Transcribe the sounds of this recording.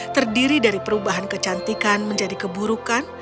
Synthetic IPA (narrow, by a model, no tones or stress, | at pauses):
t̪ərdiɾidaɾipəɾubaɦankət͡ʃant̪ikanməɲd͡ʒadikəbuɾukan